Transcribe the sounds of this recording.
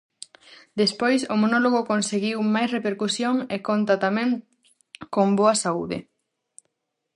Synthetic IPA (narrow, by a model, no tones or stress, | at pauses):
d̪espojsomonoloɣokonseɣiwmajsrepeɾkusjoŋekont̪ɐt̪amɛ̃ŋ | komboɐsauðɪ̰